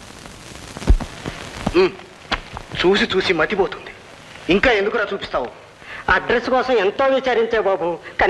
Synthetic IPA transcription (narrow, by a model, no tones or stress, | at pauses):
t͡ʃuːsit͡ʃuːsimɐt̪ipoːt̪und̪i̥ | iŋkaːend̪ukuɾaːt͡ʃuːpist̪aːwu | ɐɖɾeskɔːsɐment̪oːʋit͡ʃaːɾiɲt͡ʃeːbaːbuːkɐ